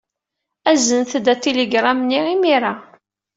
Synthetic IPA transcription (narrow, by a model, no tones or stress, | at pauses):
æzənθd̪æt̪ːiliɡɾˤɑmənːiimiɾa